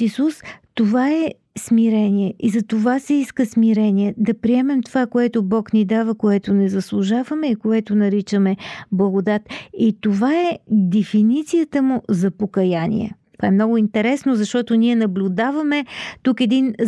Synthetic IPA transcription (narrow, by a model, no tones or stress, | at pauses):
isust̪ovaɛ | smiɾɛniɛizɐt̪ovasɛiskəsmiɾɛniɛd̪ɐpɾiɛmɛmt̪ovakoɛt̪ʊbɔknid̪avəkoɛt̪ʊnɛzɐslˠʊʒavəmɛikoɛt̪ʊnɐɾit͡ʃəmɛblˠɐɡod̪at̪it̪ovaɛd̪ɛfinit̪sijət̪əmʊzɐpokɐjanḭɛ̰t̪ovaɛmnɔɡʊint̪ɛɾɛsnozɐʃt̪ɔt̪ʊniɛnɐblʲʊd̪avɐmɛt̪ukɛd̪in